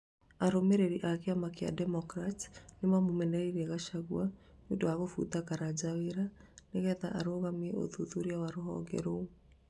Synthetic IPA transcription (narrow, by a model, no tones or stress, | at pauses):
aɾomeɾeɾiʔakeamakea̰dɛmɔkɾatnemamomɛnɛɾiɾɛɣaʃaɣwa | wondowaɣofṵtakaɾad͡ʑaweɾaneɣɛða̰ʔaɾoɣamiɛʔo̰ðuðuɾiawaɾoɦɔ̰ŋɡɛ̰ɾou